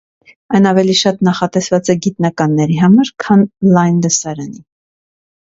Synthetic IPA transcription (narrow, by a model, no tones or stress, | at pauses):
ɑjnɑvɛliʃɑt̪nɑχɑt̪ɛsvɑt͡sɛɡit̪nɑkɑnːɛɾiɦɑmɑɾkʰɑnlɑjnd̪əsɑɾɑni